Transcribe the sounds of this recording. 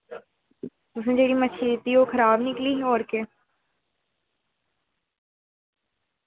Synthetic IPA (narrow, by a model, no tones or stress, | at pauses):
t̪ʊs̬ẽd͡ʒeːɽimət͡ʃʰit̪iːoːkʰəɾaːbnɪkliːɦɔːɾke